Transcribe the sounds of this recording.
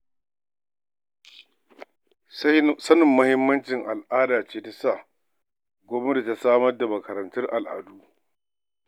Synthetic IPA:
sɐ˦nɪ˨mːɐ˦hɪ˦mːɐ˦nt͡ʃɪ˨ŋʔa˨lʔaː˦daː˨t͡ʃeː˦ta˦sa˦˨ | ɡʷoː˦be˦da˨ta˨saː˦mɐ˦rda˨mɐ˨kɐ˨ɾɐ˨ntʊ˦rʔa˨lʔa̰ː˨duː˦

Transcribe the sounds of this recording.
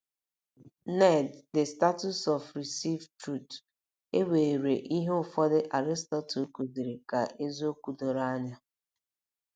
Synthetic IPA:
nɛ˦˨dde˨sta˦tu˦sɔ˨fɾi˨si˦vtɾu˦˨t | e˦we˨ɾe˨ʔi˦ɦe˦ʊ˦˨fɔ˦dɪ˦ʔa˨ɾɪ˦stɔ˦tu˨˦ku˨di˨ɾe˨ka˨ʔe˦zo˦ku˨do˨ɾa˦ɲa˦

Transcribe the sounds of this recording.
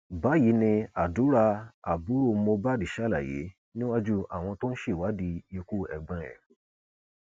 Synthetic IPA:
ba˨˦ji˨˦nĩ˧a˨du˨˦ɾa˧a˨bu˨˦ɾo˦˨˦mo˧ba˦˨di˨ʃa˦˨la˨jḛ˨˦ | nĩ˦wa˦d͡ʒu˦a̰˨w̃ɔ̃˧to˦n̩˦ʃe˦˨wa˨˦di˧je˧ku˦ɛ̰˨ɡ͡bã˧ɾɛ̰̃˨

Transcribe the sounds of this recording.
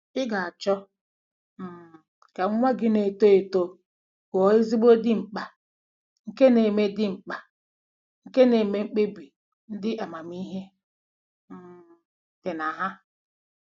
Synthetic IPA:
ɪ˦ɡa˨a˨t͡ʃɔ˦ | m̩˨ | ka˨ŋ̩˦ŋʷa˦ɡɪ˦ne˨to˦e˨to˦ | kɔ˨ɪ˦zi˦ɡ͡bo˦dɪ˦ŋ͡m̩˨k͡pa˨ | ŋ̩˨ke˦ne˨me˦dɪ˦ŋ͡m̩˨k͡pa˨ | ŋ̩˨ke˦ne˨me˦ŋ͡m̩˦k͡pe˦bi˨ | n̩˦dɪ˦ʔa˨ma˨mi˦ɦe˦ | m̩˨ | dɪ˨na˨ɦa˦

